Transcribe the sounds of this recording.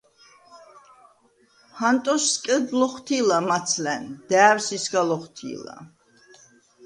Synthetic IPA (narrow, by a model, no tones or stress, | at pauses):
hant̪ʼɔsːkʼəd̪lɔχt̪ʰilamat̪sʰlɛnd̪̥ɛːɾsisɡalɔχt̪ʰḭla̰